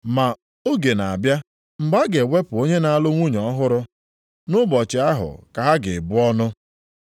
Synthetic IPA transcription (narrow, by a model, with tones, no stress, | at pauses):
ma˨ | o˦ɡe˨na˨a˨bja˦ | m̩˨ɡ͡ba˦ɡe˨we˦pʊ˨o˦ɲe˦na˨a˦lʊ˦ŋʷu˦ɲ˨ɔ˦ɦʊ˦ɾʊ˦ | nʊ˦bɔ˨t͡ʃɪ˨a˦ɦʊ̰˨ka˨ɦa˦ɡɪ̰˨bʊ˦ɔ˦nʊ˦